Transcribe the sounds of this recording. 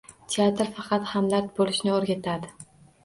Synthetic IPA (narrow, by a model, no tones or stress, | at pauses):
t̪ʰeat̪ɾfɑqʰɑt̪hamlat̪bolɪʃnɪoɾɡʲat̪ʰad̪ɪ